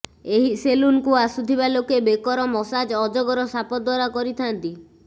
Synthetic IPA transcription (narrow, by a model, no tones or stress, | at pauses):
eɦiselunkuasut̪ʰibalokebekɔɾɔmɔsad͡ʒɔd͡ʒɔɡɔɾɔsapɔd̪waɾakɔɾit̪ʰant̪i